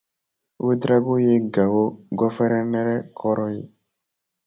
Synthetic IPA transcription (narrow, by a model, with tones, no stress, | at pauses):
we˦d̪ɾa˦ɡo˦je˦ɡa˨wo˦ɡɔ˦fɛ˦ɾɛ˦nɛ˦ɾɛ˦kʰɔ˦ɾɔ˦jḛ˨